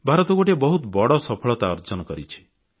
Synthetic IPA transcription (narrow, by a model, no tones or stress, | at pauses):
bʱaɾɔt̪ɔɡoʈebɔɦut̪bɔɽɔsɔpʰɔɭɔt̪aɔɾd͡ʒɔnɔkɔɾit͡ʃʰi̥